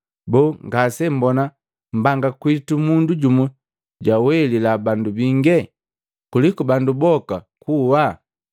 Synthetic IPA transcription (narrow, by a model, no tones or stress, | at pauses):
bɔːŋɡasɛm̩bɔna | m̩baŋɡakwitumunduɟumu | ɟawɛlilabandubiŋɡɛ | kulikubandubɔka̰ | kuwa